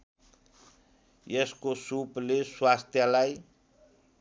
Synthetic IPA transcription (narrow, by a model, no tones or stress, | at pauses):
jeskosupleswast̪ʰjalaj